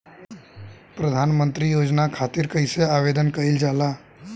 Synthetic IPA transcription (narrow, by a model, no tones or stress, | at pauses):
pɾəd̪ʱanmənt̪ɾijod͡ʒnakʰat̪iːɾkəjseaʋed̪ənkəild͡ʒala